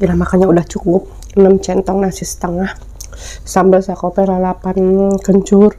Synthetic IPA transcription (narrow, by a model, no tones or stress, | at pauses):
ilahmakaɲaudaht͡ʃukʊp̚ | nəmt͡ʃɛnt̪ɔŋnasisə̥t̪əŋah | sambəlsakopɛɾalapankəɲt͡ʃʊr